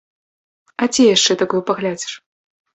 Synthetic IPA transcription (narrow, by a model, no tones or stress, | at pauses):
ɐt͡sʲijaʂt͡ʂɛt̪akɔwpɐɣlʲad͡zʲi̥ʂ